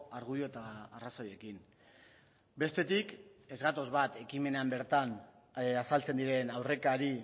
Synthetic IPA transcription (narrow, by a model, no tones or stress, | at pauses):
aɾɣujo̞et̪aːrasoje̞kin | be̞st̪e̞t̪ike̞zɣat̪o̞zβat̪e̞kime̞neambe̞ɾt̪an | asalt͡se̞nd̪iɾe̞nawre̞kaɾi